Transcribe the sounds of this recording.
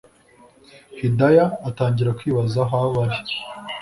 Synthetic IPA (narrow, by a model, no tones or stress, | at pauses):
hidajaːtaːɲɟiɾakwiːβazaɦaβaɾi